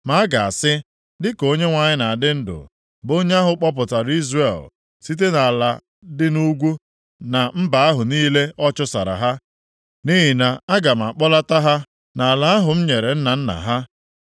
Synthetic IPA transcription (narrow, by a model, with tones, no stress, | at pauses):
ma˨a˦ɡa˨a̰˨sɪ˦ | dɪ˦ko˦ɲe˦ŋʷa˨ɲɪ˦na˨dɪ˦n̩˦dʊ̰˨ | bo˦ɲe˦a˦ɦʊ˨k͡pɔ˦p̬ʊ˨ta˨ɾi˦zre˨l | si˦t̬e˦na˨la˨ | dɪ˦nu˦ɡʷu˦ | na˨m̩˦ba˨a˦ɦʊ˨niː˦le˦ɔ˦t͡ʃʊ˦sa˨ɾa̰˨ɦa˦ | ni˦ɦi˨na˨a˦ɡa˨m̩˨a˨k͡pɔ˦la˦ta˦ɦa˦ | na˨a˨la˨a˦ɦʊ˨m̩˦ɲe˨ɾe˨n̩˦na˨n̩˦na̰˨ɦa˦